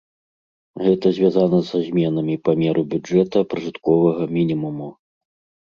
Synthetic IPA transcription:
ɣɛt̪ɐzʲvʲazanɐzazʲmʲɛnɐmʲipamʲɛɾʔɨbʲuɛt̪ɐpɾɨʐɨt̪kɔvɐɣɐmʲinʲimumu

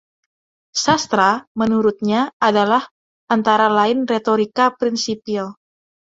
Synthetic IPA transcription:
sast̪ɾamənuɾʊt̪̚ɲaadalah | ʔant̪aɾalaɪnret̪oɾikapɾinsipil

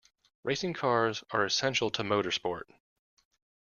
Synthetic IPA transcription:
ɹʔeɪsɪ̃ŋkʰɑɹzə˞ɨsɛ̃nʃl̩ˠtʰəmoʊɾə˞spɔɹt̚

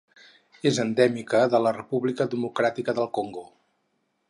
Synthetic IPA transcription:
ezənd̪ɛmikəðələrəpuβlikəðəmukɾat̪ikəðəlˠkoŋɡo

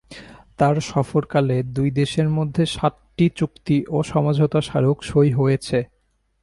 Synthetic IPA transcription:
t̪aɾʃɔfoɾkaled̪ujd̪eʃeɾmod̪ʱːeʃatːit͡ɕukt̪iʔoʃɔmad͡ʑʱot̪aʃaɾokʃojɦojet͡ɕʰe

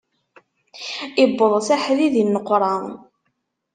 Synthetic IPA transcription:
ɪbːəðˤsaħðiðinːəqːɾˤɑ

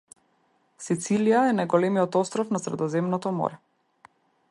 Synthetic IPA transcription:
sit̪siliaɛnajɡɔlɛmiɔt̪ɔst̪ɾɔfnasɾɛd̪ɔzɛmnɔt̪ɔmɔ̰ɾɛ

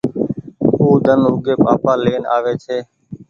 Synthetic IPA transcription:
uːd̪ʱənʊːɡeːpa̰ːpaːleːna̰ːʋeːt͡ʃʰeː

